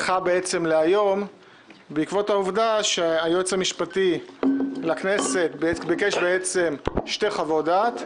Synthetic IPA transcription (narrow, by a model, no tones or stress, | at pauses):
χabeet͡se̞mleajo̞m | beikvo̞thauvdaʃeajot͡samiʃpati | lakne̞se̞t̚beebike̞ʃbeet͡se̞mʃte̞χavodat